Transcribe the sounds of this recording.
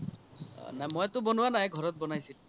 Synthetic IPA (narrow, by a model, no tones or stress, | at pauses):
najmɔjatʊbɔnuwanajɡʱɔɹɔt̚bɔnajsil